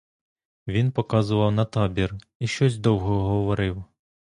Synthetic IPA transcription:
ʋʲinpɔkɑzʊʋɐwnɐt̪ɑbʲir | iʃt͡ʃɔsʲd̪ɔwɦɔɦɔʋɔɾɪw

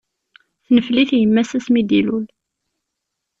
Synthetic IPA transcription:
θnəfliθjəmːæsæsmid̪ilul

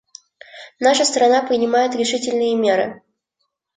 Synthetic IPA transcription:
naʂəst̪ɾɐnapɾʲɪnʲɪmajɪt̪ɾʲɪʂɨtʲɪlʲnɨjəmʲe̞ɾɨ̰

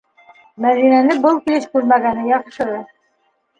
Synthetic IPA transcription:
mæðinænɘbɤlˠkilɘʃkʉɾmæɡænɘjɑʁʃɤ̆ðɤ

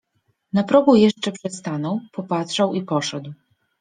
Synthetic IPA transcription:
napɾɔɡujɛʂt͡ʂɛpʂɛst̪anɔwpɔpat̪ʂawipɔʂɛd̪w

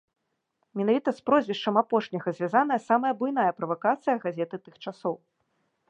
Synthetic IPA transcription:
mʲɛnavʲit̪ɐspɾɔzʲvʲɛʂt͡ʂɐmapɔʂnʲɐɣɐzʲvʲazan̪ɐjɐsamɐjɐbujn̪ajɐpɾɐvakat̪sɨjɐɣazʲɛt̪ɨt̪ɨxt͡ʂasɔw

